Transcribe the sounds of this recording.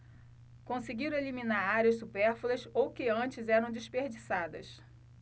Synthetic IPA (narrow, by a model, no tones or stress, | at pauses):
kõsɪɡiɾelimĩnaɾaɾiɐssupeɾfulɐsowkɪɐ̃t͡ʃɪzɛɾɐ̃w̃d͡ʒɪʃpeɾd͡ʒisad̪ɐ̰s